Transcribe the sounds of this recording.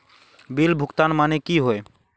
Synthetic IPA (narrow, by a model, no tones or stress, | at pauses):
bilbʱʊkt̪anmanekiɦoe